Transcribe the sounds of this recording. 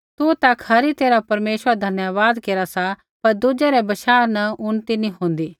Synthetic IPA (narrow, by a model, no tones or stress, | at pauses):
t̪ut̪ɐkʰhɐɾit̪eːɾapɐɾmeːʃwəɾad̪ʱɐnjəʋaːd̪keːɾasa | pɐɾd̪ud͡ʒɛɾɛbɐʃaːɾnɐʊnt̪inĩɦõːn̆d̪iː